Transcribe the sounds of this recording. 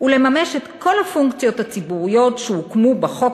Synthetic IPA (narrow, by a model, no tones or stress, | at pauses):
ule̞mame̞ʃetkʰo̞lhafuŋkt͡sijo̞that͡sibuʁijo̞tʃeukmubeχo̞k